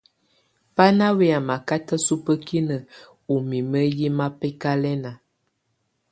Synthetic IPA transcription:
pa˦na˦we˦a˨ma˨ka˦tə˦su˦pə˦ki˦nə˨ | u˨mi˨mə˦ji˦ma˦pɛ˦ka˦lɛ˦na˨

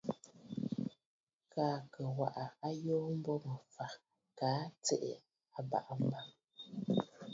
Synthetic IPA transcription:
kaː˦˨kə˨wa̰˨ʔa˨a˦joː˦m̩˦bɔ˦mə˨fa˨ | kaː˨˦t͡sɛ̰˦˨ʔḛ˨ | a˨ba̰˨ʔm̩˦ba˦m

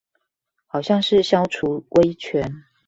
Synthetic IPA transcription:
xɑ˨˩ʊɕjɑ˥˧ŋʂɻ̩˥˩ɕjɑ˥ʊʈ͡ʂʰu˧˥wʔe˥ɪt͡ɕʰɥɛ˧˥˦n

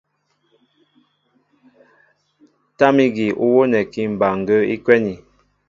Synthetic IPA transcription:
ta˦mi˦ɡi˨ʔu˦wo˦nɛ˨ki˦m̩˨ba˨ŋ̩˨ɡə˦ḭ˦kwɛ˦ni˨

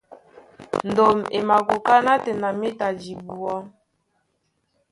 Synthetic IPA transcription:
n˨do˨me˨ma˨ko˨ka˦na˦tɛ˨na˨me˦ta˨d͡ʒi˨bu˨ɔ˦

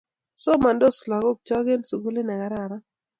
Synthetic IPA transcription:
sɔ˦ma˨ndo˦sla˨ɡo˦k̚t͡ʃɔ˦ɡe˦nsu˨ɡu˦le˦nɛ˨ɡa˨ɾa˨ɾa˦

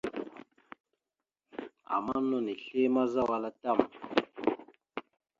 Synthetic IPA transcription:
a̰˨ma˦no˦˨ni˨ɬe˦ma˦za˦wa˦la˦ta˦˨m

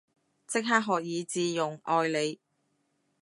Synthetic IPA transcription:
t͡sɪ˥k̚ɦaː˥k̚ɦɔː˨k̚jiː˨˧t͡siː˧jʊ˨˩ŋʔɔː˧jle˨˧j

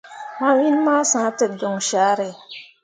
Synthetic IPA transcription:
ma˦wi˦nma˦sã˨˦tɛ˨tdo˨ŋʃaː˨˦ɾɛ˨

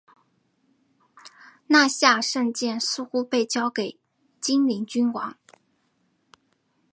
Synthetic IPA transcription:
na˥˧ɕja˥˧ʂə˥˧ŋt͡ɕjɛ˥˩nsɹ̩˥˧xu˥pe˥˩ɪt͡ɕjɑ˥ʊke˨˩ɪ | t͡ɕi˥nli˧˥ŋt͡ɕy˥nwɑ˧˥ŋ

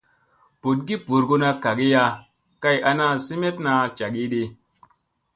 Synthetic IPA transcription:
po˨t̚ɡi˦pu˨ɾɡo˧na˧ka˨ɡi˦ja˧ | ka˦ja˧na˦si˦me˦t̚na˧t͡ʃa˨ɡi˦ɗi˧

